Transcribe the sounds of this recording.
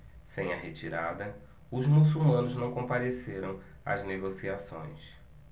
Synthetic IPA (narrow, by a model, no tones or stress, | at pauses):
sẽj̃ɐɦet͡ʃiɾad̪ɐ | ʊzmusumɐ̃nʊznɐ̃w̃kõpaɾeseɾɐ̃w̃ | ɐ̰zneɡosiasõ̰j̃s